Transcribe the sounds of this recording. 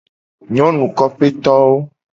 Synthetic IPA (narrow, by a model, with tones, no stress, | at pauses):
ɲɔ̃˦nũ˨kɔ˦ɸe˦t̪ɔ˦wo˦